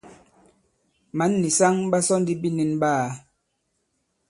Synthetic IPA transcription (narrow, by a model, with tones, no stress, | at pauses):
ma˨˦nːi˨sa˦ŋɓa˦sɔ˦n˦di˦bi˦ni˦nbaː˦˨